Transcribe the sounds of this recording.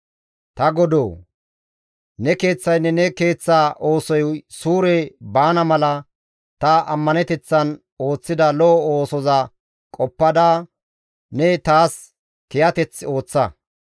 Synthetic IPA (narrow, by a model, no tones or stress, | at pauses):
t̪ɐɡɔd̪oː | nɛke̞ːt͡sːɐjnːɛnɛke̞ːt͡sːaːʔo̞ːsɔjsuːɾɛbaːnɐmɐlɐ | t̪ɐɐmːɐnɛt̪ɛt͡sːɐn | o̞ːt͡sːɪd̪ɐlɔɔoːsɔzɐ | kʼɔpːɐd̪aː | nɛt̪aːs | kɪjɐt̪ɛt͡sːo̞ːt͡sːɐ